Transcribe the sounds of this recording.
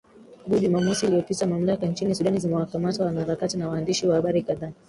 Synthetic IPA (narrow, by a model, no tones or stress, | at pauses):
ɡuʄumaːmɔsiliɔpitamam̩lakant͡ʃinisuɗanizimɛwakamatawanahaɾakatinawaːndiʃiwahaɓaɾikaðaː